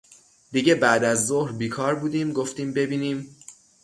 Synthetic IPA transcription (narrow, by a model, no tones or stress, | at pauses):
d̪iɟe̞bæʔd̪æzːohɾbiːkʰɒːɾbuːd̪iːmɡoft̪iːmbe̞biːniːm